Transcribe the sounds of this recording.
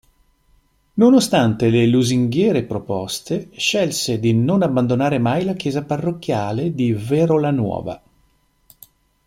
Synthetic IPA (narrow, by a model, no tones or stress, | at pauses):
nonost̪ant̪eleluziŋɡjɛːɾepɾopɔst̪eʃɛlsed̪inonabːand̪onaːɾemajlak̟jɛːzaparːokːjaːled̪ivɛɾolanwɔ̰ːva̰